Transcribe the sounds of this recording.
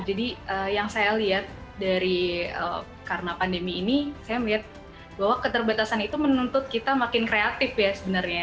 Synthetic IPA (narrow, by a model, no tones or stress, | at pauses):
d͡ʒadiəːjaŋsajaliat̪̚daɾiə̰ | karənapandemiːnisajaməliɦat̪̚ | baɦwakət̪ərbat̪asanit̪umənunt̪ʊt̪̚kit̪amakɪnkɾeat̪ɪfjasəbənarɲa